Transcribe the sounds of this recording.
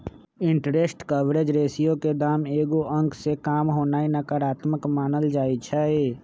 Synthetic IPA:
ɪ̃ɳʈɾeːsʈkəʋɾed͡ʒɾeːsijõked̪aːmeːɡuʔə̃ŋkʰsekaːmɦoːnaːinəkəɾaːt̪məkmaːnəld͡ʒaːit͡ʃʰɛeː

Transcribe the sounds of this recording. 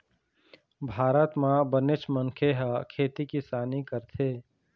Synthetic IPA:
bʱaːɾət̪mãbənet͡ʃməŋkʰeɦəkʰeːt̪ikisaːnikəɾt̪ʰeː

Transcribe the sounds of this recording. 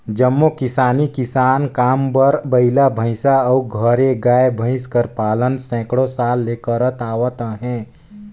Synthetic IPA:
d͡ʒəmːokɪsaːnikɪsaːnkaːmbəɾbəɪlabʱə̃ɪ̃saɔɡʱəɾeɡaːebʱə̃ɪ̃skəɾpaːlənsɛ̃ːkɽosaːlːeːkəɾət̪aːwət̪əɦɛ̃ː

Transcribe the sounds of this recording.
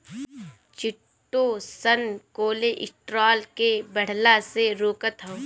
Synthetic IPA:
t͡ʃɪʈːosənkoːleʔɪsʈɾaːlkebɐɽ̤laseɾoːkət̪ɦãː

